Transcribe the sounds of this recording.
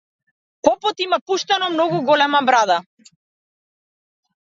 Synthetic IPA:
kɔpɔt̪imapuʃt̪anɔmnɔɡuɡɔlɛmabɾad̪a

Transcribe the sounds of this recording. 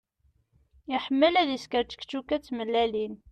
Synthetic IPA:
jiħəmːəlæðiskəɾt͡ʃə̥kt͡ʃːukæt͡sːməlːælin

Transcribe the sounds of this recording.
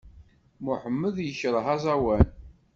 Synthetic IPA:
mʊħəmːəðjəçɾˤəɦɑzˤɑwæn

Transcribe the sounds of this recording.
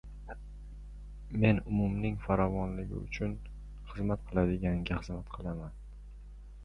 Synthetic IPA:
me̞nʊmʊmnɪŋfaɾɒvɒnlɪɡʲɪ̰ʊ̰t͡ʃʰʊn | χɨzmat̪̚qʰɨlˠad̪ɪɡʲaŋɡʲaχɨzmat̪qʰɨlˠaman

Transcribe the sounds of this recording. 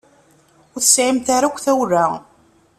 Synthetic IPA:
ʊθəsʕimt̪aɾakʷːθæwrːa

